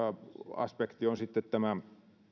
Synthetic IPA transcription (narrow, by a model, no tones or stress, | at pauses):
ɑɑ̰spekt̪ionsit̪ːet̪t̪æmæ